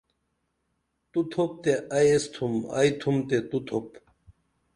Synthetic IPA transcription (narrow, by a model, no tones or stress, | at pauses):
t̪ut̪ʰop̚t̪eajest̪ʰuma̰jt̪ʰumt̪et̪ut̪ʰop